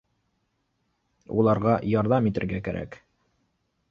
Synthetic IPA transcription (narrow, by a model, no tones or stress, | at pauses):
ṵlˠɑɾʁɑjɑɾðɑmit̪ɘ̆ɾɡækæɾʔæ̰k